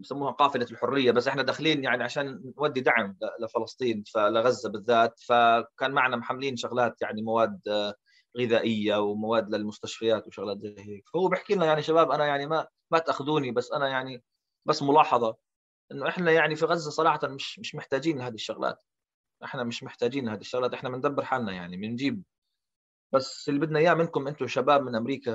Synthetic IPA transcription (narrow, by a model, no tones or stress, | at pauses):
bsamːuːhaqɑːfɪlalħʊrːɪjːabasːʔɪħnad̪aːxɪliːnjaʕniʕaʃaːnːwad̪ːid̪aʕɪmlɪlɪfɨlɑsˤt̪ˤiːnfalɪɣazːabɪðːaːt̪fakaːnmaʕnamħamːliːnʃʊɣlaːt̪jaʕnimawaːd̪ | ɣɪðaːʔɪjːawmawaːd̪lɪlmʊst̪aʃfajaːt̪wɪʃʊɣlaːt̪zajheːkfahʊːbɪħkiːnajaʕniʃabaːbʔanajaʕnima | mat̪ʔaxd̪uːnibasːʔanajaʕni | basːmʊlɑːħɑðˤɑ | ʔɪnːʊʔɪħnajaʕnifiɣazːasˤɑɾˤɑːħɑt̪amɪʃmɪʃmɪħt̪aːd͡ʒiːnlɪhaːd̪iʃːʊɣlʔa̰ːt̪ | ʔɪ̰ħnamɪʃmɪħt̪aːd͡ʒiːnlhaːd̪iʃːʊɣlaːt̪ʔɪħnamɪnd̪abːɪɾħaːlnaja̰ʕnimɪnd͡ʒiːb̚ | basːɪlːibɪd̪naʔjːaːmɪnkʊmʔɪnt̪ʊʃabaːbmɪnʔamɾiːka